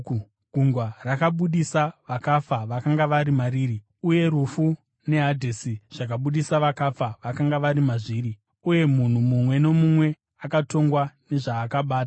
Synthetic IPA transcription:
ɡʱuŋɡwarakaɓuɗisaʋakafaʋakaŋɡaʋaɾimariːri | uje̞ɾufu | ne̞ɦadʱesiʐ̥akaɓuɗisaʋakafaʋakaŋɡaʋaɾimaʐiːɾi | uje̞mun̤umumwe̞no̞mumwe̞ | akato̞ŋɡwane̞ʐaːkaɓaːta

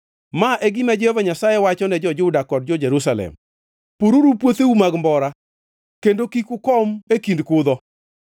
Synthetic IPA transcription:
maʔɛɡɪmad͡ʒɛvaɲasajɛwat͡ʃɔnɛd͡ʒɔd͡ʒʊdakɔd̚d͡ʒɔd͡ʒeɾusalɛ̰m | poɾoɾupwot̪eumaɡmbɔɾa | kendokikʊkɔmekindkʊd̪ɔ

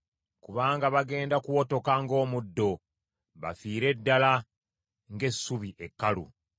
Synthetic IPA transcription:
kuβaːŋɡaβaɡe̞ːndakuwo̞to̞kaŋɡo̞ːmudːo̞ | βa̰fiːɾe̞dːala | ŋɡe̞sːuβiʔekːalṵ

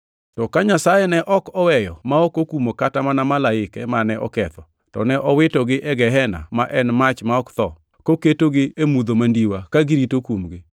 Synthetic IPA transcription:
tɔkaɲasajɛnɛʔɔkɔwɛjɔmaɔkokumokatamanamalaɪkɛmanɛʔɔ̰kɛt̪ɔ | tɔ̰nɛʔɔwɪtɔɡɪʔɛɡɛɦɛna̰maʔɛnmat͡ʃmaɔkt̪ɔ | koketoɡɪemud̪omandiwakaɡɪɾitokumɡɪ

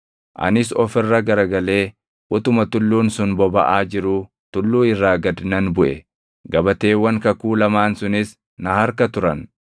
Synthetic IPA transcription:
ʔɐ̰nɪsɔfɪrːɐɡɐɾɐɡɐle̞ː | ʔʊt̪ʊmɐt̪ʊlːuːnsʊnbɔbɐ̰ʔaːd͡ʒɪɾʊ | t̪ʊlːuːɪrːaːɡɐd̪nɐnbʊʔɛ | ɡɐbɐt̪e̞ːwːɐŋkɐkuːlɐmaːnsʊnɪs | nɐhɐɾkɐt̪ʊɾɐn

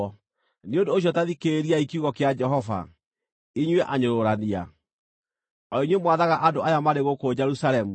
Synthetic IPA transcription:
neondoːɕ̬jɔtaðikeɾiaikiuɣɔkead͡ʒɛɦɔva̰ | iɲwɛʔaɲoɾoɾania̰ | ɔiɲwemwaðaɣaʔandoajamaɾeɣokod͡ʑɛɾusaɾɛmu

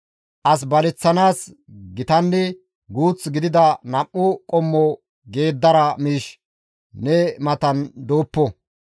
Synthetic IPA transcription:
ʔɐs̬bɐlɛt͡sːɐnaːs | ɡɪt̪ɐnːɛ | ɡuːt͡sɡɪd̪ɪd̪ɐnɐmːʊkʼɔmːɔ | ɡe̞ːd̪ːɐɾɐmiːʃ | nɛmɐt̪ɐnd̪o̞ːpːɔ

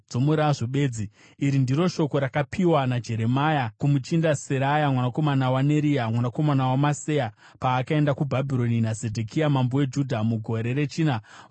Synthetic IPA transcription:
d͡zo̞muɾaʐoɓe̞ːd͡zi | iɾindiɾo̞ʃo̞ko̞ɾakapʰiwanad͡ʒe̞ɾe̞majakumut͡ʃindaseɾajamwanako̞manawane̞ɾijamwanako̞manawamaseja | paːkae̞ndakubʱabʱiɾo̞ninazedʱekʰijamambowed͡ʒudʱamuɡʱo̞ɾe̞ɾe̞t͡ʃiːna

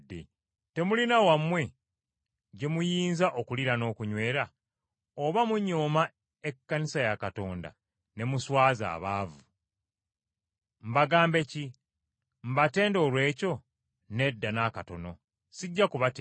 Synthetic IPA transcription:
dːe | te̞mulinawamwe̞ | ɟe̞mujiːnzaʔokuliɾano̞ːkuɲwe̞ːɾa | oβamuɲo̞ːma | ekːanisajakato̞ːnda̰ | ne̞muswaːza̰ːβaːvu | m̩baɡaːmbe̞ci | mbate̞ːndo̞ːlwe̞ːco̞ | ne̞dːanakato̞no̞ | siɟːakuβat

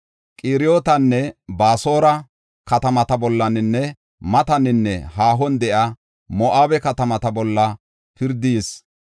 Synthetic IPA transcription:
kʼiːɾɪjoːt̪ɐnːɛbaːso̞ːɾɐ | kɐt̪ɐmɐt̪ɐbɔlːɐnɪnːɛ | mɐt̪ɐnɪnːɛɦaːɦɔnd̪ɛʔa | mɔʔaːbɛkɐt̪ɐmɐt̪ɐbɔlːɐ | pɪɾd̪is

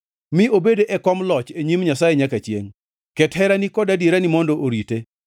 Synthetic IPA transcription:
mɪobedeʔɛkɔmlɔt͡ʃeɲimɲasajeɲakat͡ʃjḛŋ | kɛthɛɾanikɔdadiɾanɪmɔndɔʔoɾite

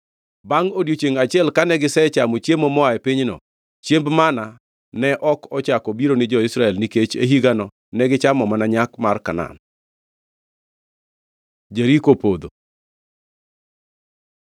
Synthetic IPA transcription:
baŋodjot͡ʃeŋat͡ʃɪɛlkanɛɡɪsɛt͡ʃamot͡ʃemomɔaɛpiɲnɔ̰ | t͡ʃembmana | nɛʔɔkɔt͡ʃakɔbiɾonɪd͡ʒɔisɾaɛlniket͡ʃeɦiɡanɔ | nɛɡɪt͡ʃamɔmanaɲakmarkana̰n | d͡ʒeɾikopod̪o

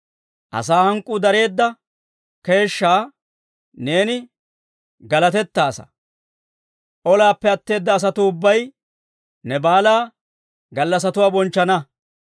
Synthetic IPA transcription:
ʔɐ̰saːhɐŋkʼːuːd̪ɐɾe̞ːd̪ːɐ | ke̞ːʃːaː | ne̞ːnɪ | ɡɐlɐt̪ɛt̪ːaːsɐ̥̰ | ʔɔlaːpːɛɐt̪ːe̞ːd̪ːɐːs̬ɐt̪ʊʊbːɐj | nɛbaːlaː | ɡɐlːɐs̬ɐt̪ʊwaːbɔnt͡ʃːɐnɐ

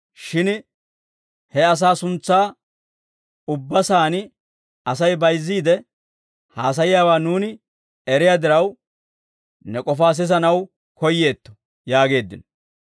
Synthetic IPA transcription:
ʃɪn | hɛɐs̬aːsʊnt͡sːaː | ʊbːɐsaːnɪ | ɐs̬ɐjbɐjzːiːd̪ɛ | haːs̬ɐjɪjaːwaːnuːnɪ | ɛɾɪjaːd̪ɪɾɐw | nɛkʼɔfaːs̬ɪzɐnɐw | kɔjːe̞ːt̪ːɔ̥ | jaːɡe̞ːd̪ːɪnɔ

